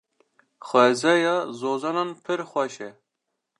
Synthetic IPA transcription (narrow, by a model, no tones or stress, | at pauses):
xʷɛzɛjɑzoːzɑːnɑnpʰɨɾxʷɛʃɛ